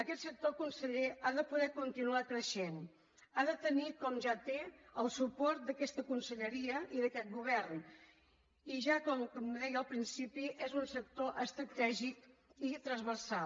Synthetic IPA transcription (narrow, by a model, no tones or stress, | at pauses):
əkɛt̪sək̚t̪okunsəʎeaðəpuðɛkunt̪inuakɾəʃen | aðət̪ənikɔmʒat̪eəlˠsupɔɾt̪̚d̪əkɛst̪əkunsəʎəɾiəʔiðəkɛt̪̚ɡuβ̞ɛrn | iʒakɔmkɔmðɛjəlˠpɾinsipiʔezunsək̚t̪oʔəst̪ɾət̪ɛʒikit̪ɾəzβərsalˠ